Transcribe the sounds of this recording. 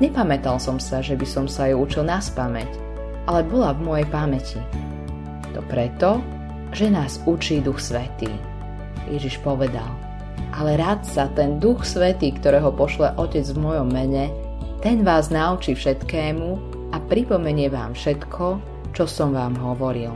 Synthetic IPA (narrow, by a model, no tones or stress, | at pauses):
ɲɛpamɛt̪alsɔmsaʒɛbisɔmsajuut͡ʃilnaspamɛc | ʔalɛbɔlavmɔjɛjpamɛci | t̪ɔpɾɛt̪ɔ | ʒɛnaːzut͡ʃiːd̪uxsʋɛt̪ḭː | jɛʒiʃpɔʋɛd̪a̰l | ʔalɛɾat̪sat̪ɛnd̪uxsʋɛt̪iːkt̪ɔɾɛːɦɔpɔʃlɛʔɔcɛd͡zvmɔjɔmːɛɲɛ | t̪ɛnʋaːznaut͡ʃifʃɛt̪kɛːmu | apɾipɔmɛɲɪɛʋaːmfʃɛt̪kʰɔ | t͡ʃɔsɔmʋaːmɦɔʋɔɾil